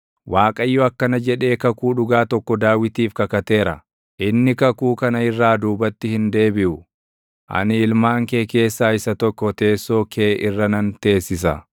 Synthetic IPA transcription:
waːkʼɐjːɔɐkːɐnɐd͡ʒɛᶑe̞ːkɐkuːᶑʊɡaːt̪ɔkːɔd̪aːwɪt̪iːfkɐkɐt̪e̞ːɾɐ̰ | ʔɪnːɪkɐkuːkɐnɐɪrːaːd̪uːbɐt̪ːɪhɪnd̪e̞ːbɪʔʊ | ʔɐ̰nɪɪlmaːŋkeːke̞ːsːaːɪsɐt̪ɔkːɔt̪e̞ːsːo̞ːkʰeːʔɪrːɐnɐnt̪e̞ːsːɪsɐ̰

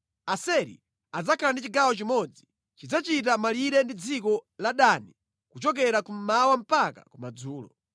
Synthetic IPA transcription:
asɛɾḭ | ad͡zakʰalandit͡ʃiɡawɔt͡ʃimɔd͡zi | t͡ʃid͡zat͡ʃit̬amaliɾɛndid͡zikɔlaɗani | kut͡ʃɔk̬ɛɾakum̩mawam̩paka̰kumad͡zuːlɔ

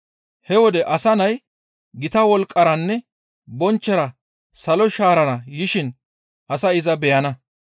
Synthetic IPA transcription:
hɛwɔd̪ɛʔɐsɐnɐj | ɡɪt̪ɐwɔlkʼːɐɾɐnːɛ | bɔnt͡ʃːɛɾɐ | sɐlɔʃaːɾɐɾɐjɪʃɪn | ʔɐsɐɪzɐbɛjɐnɐ

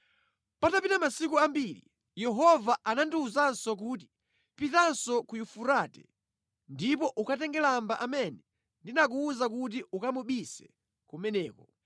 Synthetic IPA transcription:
patapinamasikuambilḭ | jɛɦɔvaʔanandiuzansɔk̬uːt̬i̥ | pitansɔkujufuɾaːtɛ | ndipɔʔukatɛŋɡɛlambaʔamɛnɛ | ndinak̬uːzak̬ut̬iukamuɓisɛ̥ | kumɛnɛːkɔ

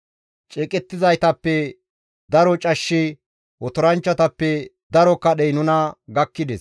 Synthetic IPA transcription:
t͡ʃʼɛːkʼɛt̪ːɪzɐjt̪ɐpːɛ | d̪ɐɾɔt͡ʃʼɐʃːɪ | wɔt̪ɔɾɐnt͡ʃːɐt̪ɐpːɛ | d̪ɐɾɔkːɐɗɛjnʊnɐɡɐkːɪd̪ɛs

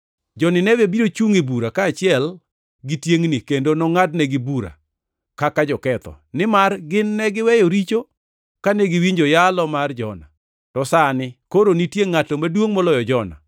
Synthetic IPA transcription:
d͡ʒɔnɪnɛwebiɾot͡ʃuŋɪbuɾakaːt͡ʃɪɛl | ɡitjeŋnɪkendonɔŋatnɛɡɪbuɾa̰ | kakad͡ʒɔkɛt̪ɔ̰ | nɪmarɡɪnːɛɡɪwɛjoɾit͡ʃo | kaneɡɪwiɲd͡ʒojalɔmard͡ʒɔna̰ | tɔsanɪkoɾonitjeŋːatomadwoŋmɔlɔjɔd͡ʒɔna̰

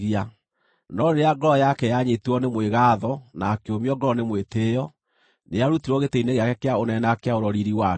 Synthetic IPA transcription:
ia | nɔɾeɾeaɡɔɔjakɛjaɲetuɔnemweɣaðɔnaːkeomiɔɡɔɔnemweteːjɔ | nejaɾutiɾwɔɣeteineɣeakɛkeaonɛnakeaoɾɔɾiɾiwa

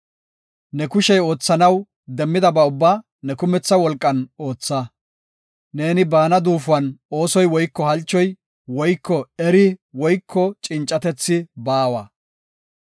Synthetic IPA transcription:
nɛkʊʃɛjo̞ːt͡sːɐnɐw | d̪ɛmːɪd̪ɐbɐʊbːaː | nɛkʊmɛt͡sːɐwɔlkʼːɐno̞ːt͡sːɐ | ne̞ːnɪbaːnɐd̪uːfʊɐno̞ːsɔjwɔjkːɔhɐlt͡ʃːɔj | wɔjkːɔɛɾɪwɔjkʰːɔt͡ʃʼɪnt͡ʃʼːɐt̪ɛt͡sːɪbaːwɐ

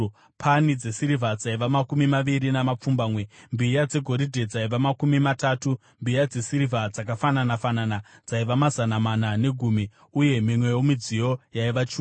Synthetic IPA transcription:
pʰanid͡ze̞siɾivʱad͡zaiʋamakumimaʋiɾinamap͡fumbaːmwe̞mbijad͡ze̞ɡʱo̞ɾidʱe̞d͡zaiʋamakumimataːtu | mbijad͡ze̞siɾivad͡zakafananafananad͡zaiʋamazanamanane̞ɡʱuːmi | uje̞mimwe̞jomid͡zijo̞jaiʋat͡ʃuː

